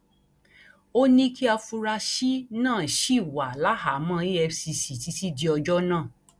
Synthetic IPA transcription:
o˦nĩ˦kʰi˦a˧fu˧ɾa˧ʃi˦nãː˦˨ʃi˦˨wa˨la˦ha˨˦mã˦i˦ɛ˧si˧si˨ti˧˦si˦di˧˦ɔ˧d͡ʒɔ˦nãː˦˨

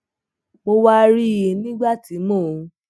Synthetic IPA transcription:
mo˧wa˦˧ɾi˦˨je˨nĩ˦ɡ͡ba˦˨ti˨˦mɔ̃˦˨˧

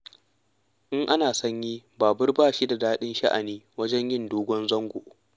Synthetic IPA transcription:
ʔɪ˦ŋʔa˦naː˨sɐ˦ɲjiː˦baː˨bʊ˦rbaː˦˨ʃi˦da˨daː˦ɗɪ˦nʃɐ˦ʔa̰˨niː˦wɐ˦d͡ʒɛ˦ɲjɪ˦ndoː˦ɡʷɔ˦nzɐ˦ŋɡʷo̰˨

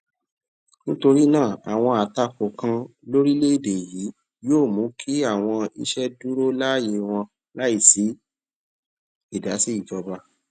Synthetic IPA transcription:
nĩ˦to˧ɾi˦nãː˦˨a̰˨w̃ɔ̃˧a˨ta˦ko˨kã˧lo˦ɾi˦le˦i˦˨de˨ji˨˦ | joː˦˨mũ˨˦kʰi˦a˦˨w̃ɔ̃˧ḭ˧ʃɛ˦du˦ɾo˦la˦˨je˧w̃ɔ̃˧ | la˦i˦˨si˨˦ | i˦˨da˨˦si˦i˦˨d͡ʒɔ˧ba˧

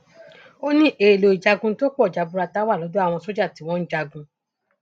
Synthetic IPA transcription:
o˦nĩ˦ʔe˨lo˨i˨d͡ʒa˧ɡũ˧˦to˦k͡pɔ˦˨d͡ʒa˨bu˧ɾa˧ta˦wa˦˨lɔ˨˦do˦a˦˨w̃ɔ̃˧so˦d͡ʒa˦˨ti˨˦w̃ɔ̃˦n̩˦d͡ʒa˧ɡũ˧

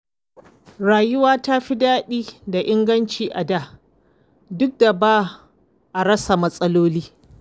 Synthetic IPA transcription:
ɾaː˨jʊ˦waː˦ta˦ɸi˦daː˦ɗiː˦da˨ʔɪ˦ŋɡɐ˦nt͡ʃiː˨ʔa˨daː˦˨ | dʊ˦k̚da˨baː˦ | ʔa˨ɽɐ˦sa˨mɐ˦sʼɐ˦loː˦liː˦

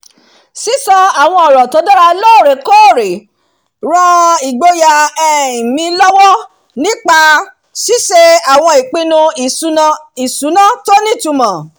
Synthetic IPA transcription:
si˦sɔ˧a˨w̃ɔ̃˧ɔ˨ɾɔ˨to˧˦dɔ˦ɾa˧loː˦˨ɾe˨ko˦˨ɾe˨ | ɾã˦i˨ɡ͡bo˦ja˧ɛ˦˨i˨mĩ˨˧lɔ˦wɔ˦ | nĩ˦k͡pa˧ | si˦ʃe˧a˨w̃ɔ̃˧i˨k͡pĩ˦˧nũ˧˨ũ˦˧i˨su˨˦nã˦to˦nĩ˦˨tu˧˨mã˨

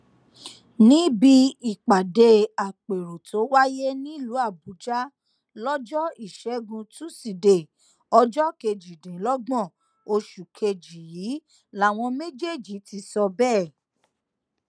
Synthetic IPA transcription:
nĩ˦bi˦i˦˨k͡pa˨de˧a˨k͡pe˨ɾo˨to˨˦wa˦je˦nĩ˦i˦˨lu˨˦a˦˨bu˨˦d͡ʒa˦ | lɔ˦d͡ʒɔ˦i˦˨ʃɛ˨˦ɡũ˧tũ˦si˨de˨ | ɔ˧d͡ʒɔ˦ke˧d͡ʒi˨dẽ˨˦lɔ˦ɡ͡bɔ̃˦˨ | o˧ʃu˨kʰe˧d͡ʒi˨ji˨˦ | la˨˦˨w̃ɔ̃˧me˦d͡ʒe˦˨d͡ʒi˨˦ti˧˦sɔ˧bɛː˦˨

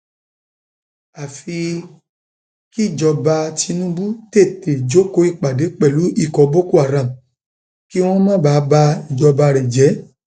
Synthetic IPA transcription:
a˨fi˧ | ki˦˨d͡ʒɔ˧ba˧ti˧nũ˦bu˦te˦˨te˨d͡ʒo˨˦ko˧˦i˦˧˨k͡pa˨de˨˦k͡pɛ˦˨lu˨˦i˦˨kɔ˧˦bo˦ku˦a˦˨ɾã˨m˨ | ki˦w̃ɔ̃˦mã˦˨ba˨˧˦ba˧i˨d͡ʒɔ˧ba˧ɾe˨d͡ʒɛ˨˦

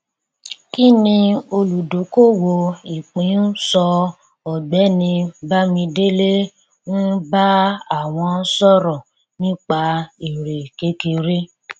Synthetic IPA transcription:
ki˦nĩ˧o˧lu˨do˨˦ko˦˨wo˧i˨k͡pĩ˨˦sɔ˧ | ɔ˨ɡ͡bɛ˨˦nĩ˧ba˦mĩ˧de˦le˦ | wɔ̃˦ba˦a˦˨w̃ɔ̃˧˦sɔ˦ɾɔ̃˨ | nĩ˦k͡pa˧i˨ɾe˨ke˦ke˧ɾe˦

